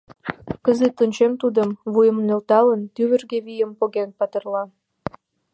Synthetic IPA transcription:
kəzet̪ənʲt͡ɕemt̪ud̪əmβujə̆mnølt̪ɑlənt̪yβə̆rɣeβijəmpoɣenpɑt̪ə̆rlɑ

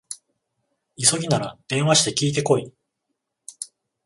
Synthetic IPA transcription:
iso̞ɡʲinaɾad̪̥ẽ̞βaɕi̥t̪e̞kʲiːt̪e̞ko̞i

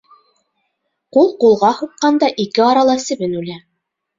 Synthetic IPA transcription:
qulˠqulˠʁɑhuqːɑnd̪ɑʔikɘɑɾɑlˠɑsɘ̆βɘnʉlæ

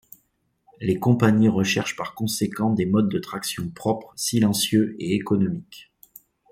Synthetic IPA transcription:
lekɔ̃paɲiʁəʃɛʁʃpaʁkɔ̃sekɑ̃d̪emɔd̪ːət̪χaksjɔ̃pχɔpχsilɑ̃sjøeekɔnɔmik

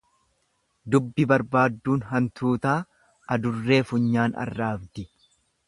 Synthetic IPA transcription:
d̪ʊbːɪbɐɾbaːd̪ːuːnɦɐnt̪ʰuːt̪aː | ɐd̪ʊrːe̞ːfʊɲːaːnɐ̰rːaːbd̪ɪ

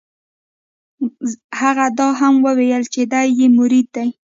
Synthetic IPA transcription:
haɣad̪ɑɦamwəwejəlt͡ʃed̪ajːemʊɾid̪̚d̪aj

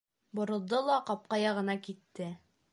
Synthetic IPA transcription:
bŏɾɤ̆lˠd̪ɤlˠɑqɒp̚qɑjɒʁɤ̆nɑkit̪ːɘ

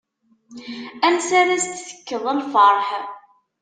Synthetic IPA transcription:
ænsaɾæst̪θə̥kːəðˤənfəɾˤħ

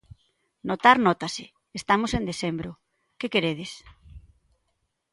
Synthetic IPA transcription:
not̪aɾnɔt̪asɪ | est̪amosẽnd̪eθembɾo | kekeɾeð̞ɪs

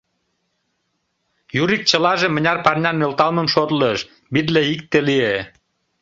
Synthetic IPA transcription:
juɾik̚t͡ɕə̆lɑʒemə̆nʲɑrpɑrnʲɑnːølt̪ɑlməmʃot̪ləʃ | bit̪̬leik̚t̪elie

